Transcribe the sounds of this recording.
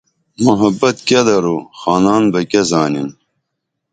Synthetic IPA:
muɦɐbɐt̪kʲed̪ɐɾuxaːnaːnbɐkʲezaːnin

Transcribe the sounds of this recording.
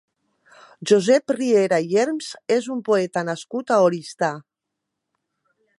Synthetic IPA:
ʒuzɛprieɾajɛɾmzezumpoɛt̪anaskut̪aoɾist̪a

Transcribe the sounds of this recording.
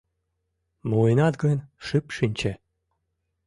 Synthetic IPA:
mujnɑt̪ɡənʲʃɨpʃinʲt͡ɕe

